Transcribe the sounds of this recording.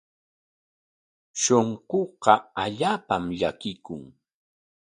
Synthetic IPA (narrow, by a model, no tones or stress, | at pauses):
ʃoɴɢoqɑaʎaːpamʎakɪkʊŋ